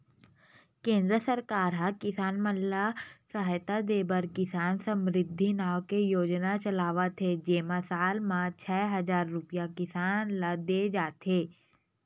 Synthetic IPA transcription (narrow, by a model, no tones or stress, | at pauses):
kẽːnd̪ɾəsəɾkaːɾɦɐkɪsaːnmənllasəɦjt̪ad̪eːbəɾkɪsaːnsə̃mɾɪd̪ʱːinaːʋkejoːd͡ʒnat͡ʃɐlaːʋat̪ʰɦed͡ʒeːmasaːlmãt͡ʃʰɛːɦɐzaːɾːʊpijakɪsaːnlad̪eːd͡ʒaːt̪ɦeː